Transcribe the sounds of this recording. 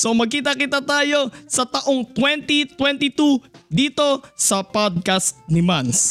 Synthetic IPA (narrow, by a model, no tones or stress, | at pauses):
somɐɡ̚kiːt̪ɐkɪt̪at̪aːjo̞sɐt̪ɐʔoŋt̪wɛnt̪it̪wɛnt̪ɪt̪ud̪iːt̪o̞sɐpod̪̚kast̪nɪmans